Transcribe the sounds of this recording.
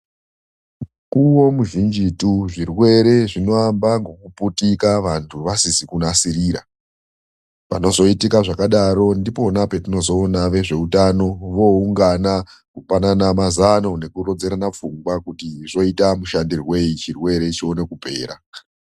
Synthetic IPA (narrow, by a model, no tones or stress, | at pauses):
kuwo̞muʒind͡ʒituʐirwe̞ɾe̞ʐino̞ambaŋɡo̞kuputikaʋantʰuʋasisikunasiɾiːɾa̰ | pano̞zo̞itikaʐakaɗaɾo̞ndipo̞nape̞tino̞zo̞ːnaʋe̞ʐe̞utano̞ʋo̞uŋɡana | kupananamazano̞ne̞kuɾo̞d͡ze̞ɾanap͡fuŋɡwakutiʐo̞itamuʃandirwe̞it͡ʃirwe̞ɾe̞t͡ʃio̞ne̞kupe̞̰ːɾa̰